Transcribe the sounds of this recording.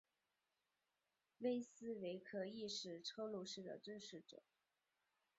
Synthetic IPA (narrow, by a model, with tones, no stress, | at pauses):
we˥ɪsɹ̩˥we˧˥ɪkʰɤ˧˥i˥˧ʂɻ̩˥˩ʈ͡ʂʰɤ˥lu˥˧ʂɻ̩˥˩d̪ə̰˩t̪wə˥˧ʂɻ̩˥˩ʈ͡ʂɤ̰˨˩˦